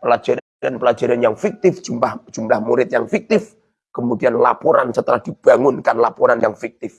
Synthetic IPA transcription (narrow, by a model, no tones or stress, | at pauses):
pəlḁd͡ʒaɾadanpəlad͡ʒaɾanjaŋfik̚t̪ɪfd͡ʒumlahd͡ʒ̥umlahmuɾɪt̪̚jaŋfik̚t̪ɪf | kəmudianla̰pɔɾansət̪əlahd̥ib̥aŋʊnkanlapɔɾanjaŋfik̚t̪ɪf